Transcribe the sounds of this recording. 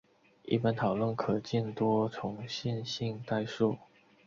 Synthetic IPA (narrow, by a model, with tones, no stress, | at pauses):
ḭ˥˩pa˥nt̪ʰɑ˨˩ʊlə˥˩nkʰɤ˨˩t͡ɕi˥˩nt̪wɔ˥t͡sʰʊ˧˥ŋɕi˥˧nɕi˥˧ŋt̪a˥˧ɪʂu˥˩